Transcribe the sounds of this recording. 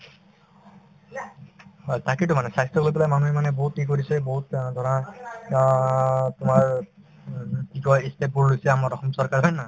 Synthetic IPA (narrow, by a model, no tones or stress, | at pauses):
takitʊmanɛsajstɔɡolojpɛlajmanuɛmanɛboɦut̚ikoɹisɛboɦutd̪ʱɔɹɔa | tʊmaɹ | kikɔestɛpuɹlojsɛamaɹɔxɔmsɔɹkaɹɦɔjna